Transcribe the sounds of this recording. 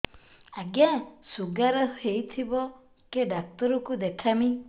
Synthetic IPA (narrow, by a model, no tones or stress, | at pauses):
aɡjasuɡaɾɔhejt̪ʰibɔ | keɖak̚t̪ɔɾɔkud̪ekʰami